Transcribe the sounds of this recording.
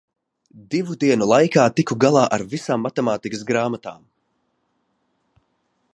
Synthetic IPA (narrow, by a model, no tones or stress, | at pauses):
d̪ivud̪iɛnulˠajkaːt̪ikuɡalˠaːʔaɾvisaːmːat̪ɛmaːt̪ikɨsɡɾaːmat̪aːm